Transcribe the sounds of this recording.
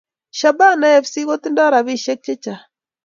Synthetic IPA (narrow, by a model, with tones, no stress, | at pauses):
ʃa˨ba˦na˦jɛ˨fsi˦ɣo˦t̪i˦nda˦ɾa˨βi˦ʃe˦k̚t͡ʃe˦t͡ʃa˨